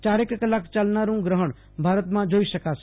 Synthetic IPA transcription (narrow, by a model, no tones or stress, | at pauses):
t͡ʃaːɾekkəlaːkt͡ʃəlnaːɾũɡɾəɦəɽ̃ | bʱaːɾət̪mãd͡ʒoːiʃəkaːs